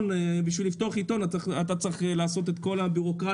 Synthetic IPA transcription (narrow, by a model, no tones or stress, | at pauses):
nebiʃvilift̪o̞aχit̪o̞naat̪at͡sʁiχelaːso̞t̪̬et̪ko̞labiʁo̞kʁa